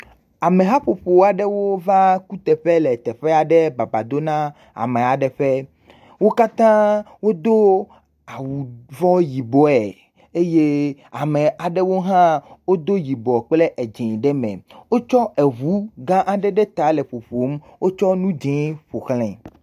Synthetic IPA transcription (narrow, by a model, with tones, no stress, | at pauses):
a˨mẽ˨ɦã˦ɸo˨ɸo˨a˨ɖɛ˦wo˦va˦ku˦t̪ɛ˨ɸe˦lɛ˨t̪ɛ˨ɸɛ˦a˨ɖɛ˦ba˨ba˨d̪o˦nã˦ | a̰˨me˨a˨ɖɛ˨ɸɛ˦ | wo˦ka˦t̪ã˦ | wo˦d̪o˦ | a˨wu˨vɔ˦ji˨bɔ˦ɛ˨ | e˦je˦ | a˨me˨a˨ɖɛ˦wo˦ɦã˦wo˦d̪o˦ji˨bɔ˨k͡ple˦ʔe˨d͡ʒẽ˨ɖɛ˦mɛ̰̃˨wo˦t͡ʃɔ˦ɛ˨ɦu˦ɡã˦ʔa˨ɖɛ˦ɖɛ˦t̪a˨˦le˨ɸo˨ɸo˨m˦ | wo˦t͡ʃɔ˦nũ˦d͡ʒɛ̃˨˦ɸo˨xlɛ̰̃˨